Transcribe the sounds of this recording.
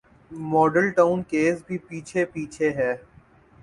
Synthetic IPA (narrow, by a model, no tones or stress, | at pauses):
mɔːɖəlʈaːʊnkeːsbʱipiːt͡ʃʰepiːt͡ʃʰeɦɛː